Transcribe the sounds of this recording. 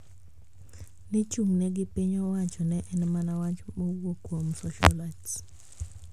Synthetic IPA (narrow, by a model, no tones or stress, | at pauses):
nɪt͡ʃuŋnɛɡɪpiɲɔwaɲt͡ʃɔnɛʔɛnmanawaɲt͡ʃmowwokwomsɔ̰ʃɔ̰las